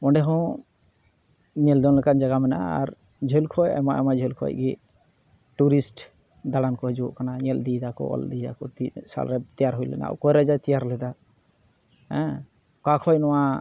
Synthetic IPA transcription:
ɔ̃ɳɖɛɦɔ̃ | ɲɛld̪ɔnlɛkand͡ʒaɡamɛna̰a̰ɾ | d͡ʒʱɔlkʰɔjɛ̰maʔɛ̰mad͡ʒʱɔlkʰɔ̰jʔɡɛ | ʈuɾisʈ | d̪aɽankɔɛd͡ʒuʔkanaɲɛld̪id̪akɔ̰ɔ̰ld̪id̪a̰kɔt̪isa̰lɾɛt̪ijaɾɦujlɛ̰na̰kɔjɾɛd͡ʒat̪ijaɾlɛd̪a | hɛ̃ | kakʰɔjnɔwa

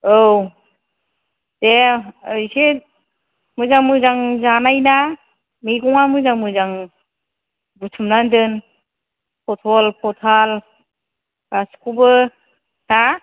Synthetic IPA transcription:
ow | deɯjse | mɯjzaŋmɯjzaŋzanajna | miɡɔŋamɯzaŋmɯzaŋ | butʰumnandɯn | pʰɔtʰɔlpʰɔtʰal | askʰubɯ | sa

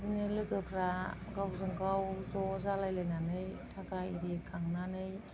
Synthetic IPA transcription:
zɯŋɯlɯkɯpʰɾaɡawzɯŋkawzɔzalajlajnanɯjtʰakaiɾikʰaŋnanɯj

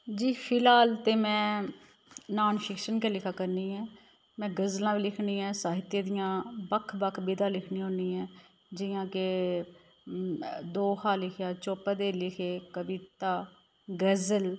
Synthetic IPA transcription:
d͡ʒiːpʰɪlaːlt̪eːmɛ̃ː | naːnpʰɪkʃənkeːlɪkʰaːkəɾniːɛː | mɛ̃ːɡəzlãːʋiːlɪkʰniːɛ̃ːsaːɦɪt̪jeːd̪ijãːbəkʰbəkʰːbɪd̪ãːlɪkʰnĩːõːniːɛ̃ː | d͡ʒɪjãːke | d̪oːhaːlɪkʰjaːt͡ʃoːpəːd̪eːlɪkʰeːkəbɪt̪aː | ɡəzəl

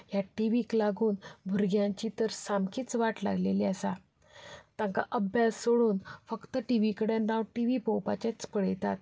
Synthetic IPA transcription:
jaʈiʋiklaɡuːnbʱuɾɡjãɲt͡ɕit̪əɾsamkiːt͡sʋaʈla̰ɡleliəsa | t̪ãŋka̰ʔəbjassoɽuːnfəkt̪əʈiʋikəɽenawʈiʋipɔwpat͡ɕat͡spəɽ̤jt̪a̰t̪̚

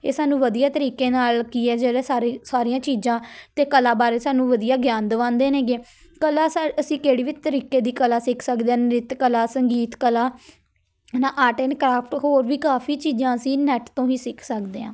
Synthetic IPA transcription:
ḛːsaːnũːʋəd̪ijaːt̪əɾiːkeːnaːlkiːɛːd͡ʒeːɽɛːaesaːɾijãːt͡ʃiːzãːt̪eːkəlaːbaːɾeːsaːnũːʋəd̪ijaːɡjãːnd̪ʋãːnd̪eːnẽːɡeː | kəlaːsaəsĩːkeːɽiːʋiːt̪əɾiːkeːd̪iːkəlaːsɪkʰsəkd̪eːaːnɾɪt̪kəlaːsəŋɡiːt̪kəlaː | naːʔaːʈeːnkɾaːpʰʈɦoːɾʋiːkaːpʰiːt͡ʃiːd͡ʒãːəsĩːnɛʈt̪õːiːsɪkʰsəkd̪eːã̰ː

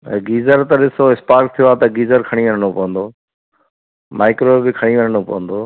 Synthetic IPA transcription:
ɡiːzəɾt̪ɐɗɪsoɪspaːɾk̚t̪ʰijoaːt̪ɐɡiːzəɾkʰɐɽ̃iʋɐnəɽ̃opɐʋə̃nd̪oː | mʔaːɪkɾobɪkʰɐɽ̃iʋɐnəɽ̃opɐ̰ʋə̃nd̪oː

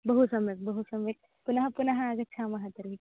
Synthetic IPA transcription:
bəɦusɐmek̚bəɦusɐmek̚ | punaɦãpunaɦãad͡zɐk̚t͡ɕʰamɐɦãt̪əɾɦik

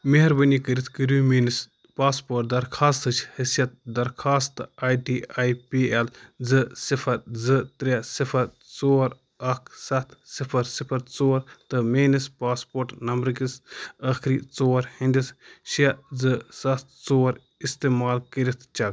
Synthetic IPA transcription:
meɦɐɾbɐnikəɾit̪ʰkəɾumeːnis | paːspoːʈ̚d̪ɐɾkʰaːst̪ɨt͡ʃʰhisjɐt̪̚d̪ɐɾkʰaːst̪ɨaːjʈiaːjpield͡zzɨsipʰɐɾzɨt̪ɾʲesipʰɐɾ | t͡soːɾ | ɐkʰsɐt̪ʰsipʰɐɾsipʰɐɾt͡soːɾt̪ɨmeːnispaːspoːɾʈnɐmbɾkisɐkʰɾit͡soːɾhinʲd̪isʃɐd͡zɨsɐt̪̚ʰt͡soːɾ | ist̪eːmaːlkəɾit̪ʰt͡ʃɐk

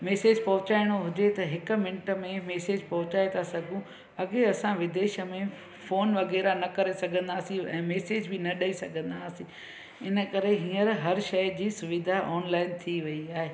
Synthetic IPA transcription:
meːseːd͡ʑpɐɦʊ̃t͡ɕaːɪɽ̃oɦʊd͡ʑet̪ɐɦɪkʊ̆mɪ̃ɳʈəmẽmeːseːd͡ʑpɐɦʊ̃t͡ɕaːet̪asɐɡʱũ | ɐɡeɐsãʋɪd̪eːʃə̆mẽ | foːnʋɐɣɛːɾanɐkɐɾesɐɡʱə̃nd̪aːsĩɛ̰̃ːmeːseːd͡ʑbɪnɐɗɐisɐɡʱə̃nd̪aːsĩ | ɪnə̆kɐɾeɦĩːəɾɦɐɾʃɐjd͡ʑiːsʊʋɪd̪ʱaʔɔːnlaːɪnt̪ʰiʋɐiaːɦeː

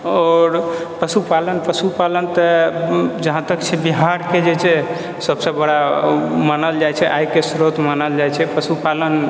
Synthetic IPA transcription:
ɔɾpəsupalənpəsupalənt̪ə | d͡ʒəɦãt̪əkt͡ʃʰɛbiɦaɾked͡ʒet͡ʃʰɛ | səbsə̃bəɽamənəld͡ʒat͡ʃʰɛʔajkesɾot̪mənəld͡ʒajt͡ʃʰɛpəsupalən

